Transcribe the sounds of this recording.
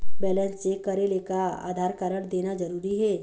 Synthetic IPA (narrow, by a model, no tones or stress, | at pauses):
bɛːlənssekɐɾelekaa̰ːd̪ʱaːɾkaɾəɽd̪eːnazɐɾuːɾiɦɛː